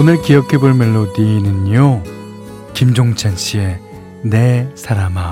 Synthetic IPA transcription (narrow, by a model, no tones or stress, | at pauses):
onɯɭkijʌkʰe̞boɭmeɭːoniinɯno | kimd͡ʑoŋt͡ɕʰanɕʰie̞ | ne̞sʰaɾama